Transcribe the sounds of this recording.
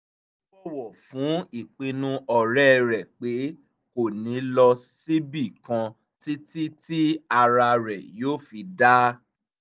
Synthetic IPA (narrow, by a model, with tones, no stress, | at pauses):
ɔ˦wɔ˨fũ˨˦i˨k͡pĩ˧nũ˦ɔ˨ɾɛ˦˧ɾɛ˨k͡pe˨˦ | ko˦˨nĩ˨˦lɔ˧si˦bi˦˨kã˧ | ti˦ti˦ti˦a˧ɾa˧ɾɛ˨joː˦fi˧da˦